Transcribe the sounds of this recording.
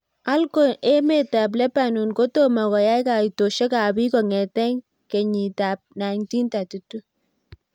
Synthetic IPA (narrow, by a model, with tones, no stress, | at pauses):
a˦lko˨ʔe˦me˨ta˨p̬lɛ˦pa˨nu˨nko˦to˦ma˨kɔ˨ja˦jka˨i˨to˨ʃɛ˦ka˨bi˦kɔ˨ŋɛ˨tɛ˦ŋ | kɛ˨ɲi˨ta˨p̚na˨ŋti˦nta˨tu˦tu˦